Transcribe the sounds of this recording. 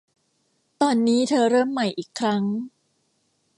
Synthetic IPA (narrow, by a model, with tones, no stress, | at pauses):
t̪ɔː˧nːiː˦˥t̪ʰɤː˧ɾɤː˥˩mːa˨˩jʔiː˨˩kʰːɾa˦˥ŋ